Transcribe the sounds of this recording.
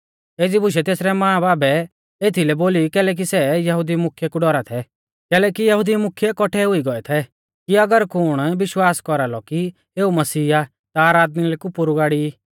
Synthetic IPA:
eːd͡zibʱʊʃ̬ɛt̪eːsɾɛmãːbaːbɛ | eːt̪ʰilɛboːlikɛːlɛk̬isɛjɐɦud̪imʊkʰːjɛkuɖɔɾat̪ʰɛ | kɛːlɛkijɐɦud̪imʊkʰjɛkɔʈʰɛɦʊiɡɔɛt̪ʰɛ | kiɐɡəɾkʊɽ̃ʋɪʃwaːskɔɾalɔki | eːumɐsiːa | t̪aːɾaːd̪milɛkupʊɾuɡaːɽi

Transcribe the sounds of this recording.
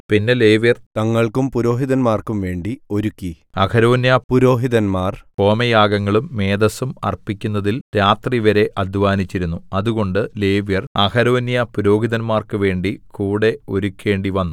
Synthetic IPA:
pinːe̞leːʋjɐrt̪ɐŋːɐɭkumpuɾo̞ːɦiðɐnmaːrkumʋe̞ːɳɖio̞ɾukʲːi | ɐkʰɐɾo̞ːnjɐpuɾo̞ːɦiðɐnmaːrko̞ːmɐjaːɡɐŋːɐɭumːe̞ːd̪ɐsumɐ̰rpikʲːunːɐðilɾaːt̪riʋɐɾe̞ʔɐd̪ʱʋaːnit͡ɕːiɾunːuɐðuɣo̞ɳɖɨleːʋjɐrɐkɐɾo̞ːnjɐpuɾo̞ːɦiðɐnmaːrkɨʋe̞ːɳɖikuːɽe̞o̞ɾukʲːe̞ːɳɖiʋɐnːu

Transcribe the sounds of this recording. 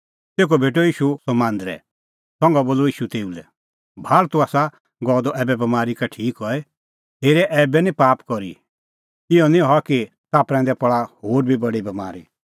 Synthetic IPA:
t̪eːk̬ɔbʱeːʈ̬oiːʃusɔmãːnd̪ɾɛ̰ | sɔ̃ŋɡaboːloiːʃut̪eːulɛ | bʱaːlt̪uaːsa | ɡɔːd̪ɔʔɛːbɛbɐmaːɾikaʈʰiːkɦɔɛ | ɦeːɾɛʔɛːbɛnĩpaːpkɔɾḭ | ɪɔnĩɦɔaki | t̪aːpɾɛ̃nd̪ɛpɐɭahoːɾbʱibɐɽibɐma̰ːɾḭ

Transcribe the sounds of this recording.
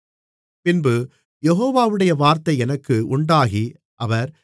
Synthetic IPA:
pɪnbɯ | jɛɦoːʋaːʋɯɽɐjɐʋaːɾt̪ɐɪɛnɐkːɯʊɳɖaːɣi | ʔɐʋɐɾ

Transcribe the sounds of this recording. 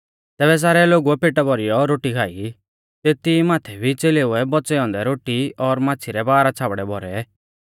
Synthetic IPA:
t̪ɛːbɛs̬aːɾɛloɡuɛpeːʈabɔɾijɔɾoːʈikʰaːi | t̪et̪imaːt̪ʰɛbʱit͡seleʊɛbɔt͡sɛɔ̃nd̪ɛɾoːʈiɔɾmãːt͡sʰiɾɛbaːɾat͡sʰaːbɽɛbʱɔɾɛ

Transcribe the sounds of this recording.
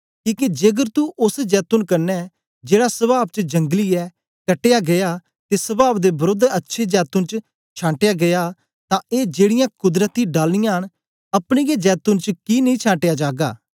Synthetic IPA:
kiːkid͡ʒeɡəɾt̪uʔʊsd͡ʒɛːt̪ʊnkɐɾnɛː | d͡ʒeːɽaːsəbaːb̚t͡ʃəd͡ʒə̃ŋɡliːɛː | kəʈejaːɡɐjaː | t̪eːsəbaːbd̪eːbəɾod̪ətːʃʰeːd͡ʒɛːt̪ʊnt͡ʃ | t͡ʃʰãːɳʈejaːɡɐjaː | t̪ãːeːd͡ʒeːɽɪjãːkʊd̪ɾət̪iːɖaːlnɪjãːɦəɽ | ɐpɽ̃iːɡed͡ʒɛːt̪ʊnt͡ʃəkinəĩːt͡ʃʰãːɳʈejaːd͡ʒaːɡa̰ː

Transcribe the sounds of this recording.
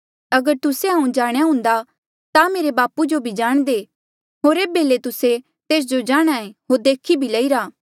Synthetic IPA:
ɐɡəɾt̪ʊseɦaũd͡ʒaːɽ̃jaɦʊ̃nd̪a | t̪ameːɾebaːpud͡ʒobʱid͡ʒaːɽ̃d̪e | ɦoːɾeːbelet̪ʊse | t̪eːs̬d͡ʒod͡ʒaːɽ̃aːẽɦoɾd̪eːkʰibʱilɐiɾaː

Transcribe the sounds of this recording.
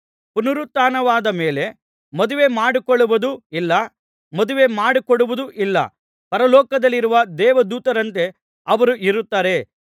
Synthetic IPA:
punɐɾut̪ːaːnɐʋaːd̪ɐmeːle̞ | mɔd̪uʋe̞ːmaːɽikɔɭuʋɐd̪uilːɐ | mɔd̪uʋe̞ːmaːɽikɔɽuʋud̪uʔilːɐ̰ | pɐɾɐlɔːkɐd̪ɐlːiɾuʋɐd̪ɛːʋɐd̪uːt̪ɐɾɐnt̪e̞ | ɐʋɐɾuʔiɾut̪ːaːɾe̞

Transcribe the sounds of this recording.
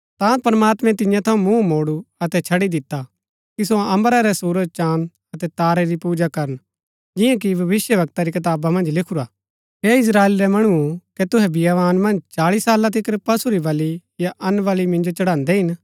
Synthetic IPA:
t̪ãpɐɾmaːt̪mɛ̃t̪ɪ̃jãt̪ʰɐũmũmoːɽuɐt̪ɛt͡ʃʰɐɽid̪ɪt̪ːa | kis̬oɐ̃məɾaɾɛsuːɾəd͡ʒt͡ʃaːn | ɐt̪ɛt̪aːɾɛɾipuːd͡ʒakɐɾən | d͡ʒɪjãk̬ibʱɐʋɪsjəʋɐk̚t̪aɾikɐt̪̬aːbamɐ̃nd͡ʒlɪkʰuɾa | ɦeːɪs̬ɾaːeːlɾɛmɐɽ̃uukɛt̪ʊɦɛbʱɪjaʋaːnmɐ̃nd͡ʒt͡ʃaːɭisaːlat̪ʰɪkɾpɐsuɾiʋɐlijaʔɐnʋɐlimɪ̃nd͡ʒot͡ʃɐɽãːnd̪ɛɦɪn

